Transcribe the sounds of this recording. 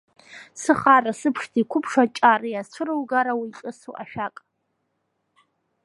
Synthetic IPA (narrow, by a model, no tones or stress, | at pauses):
sɨχarasɨpʰʂtʰikʷʰʊpʰʂat͡ʃʼarijat͡ʃʷʰɨrɨlɡaɾawit͡ʃʼɨsṵʔa̰ʃᶣakʼ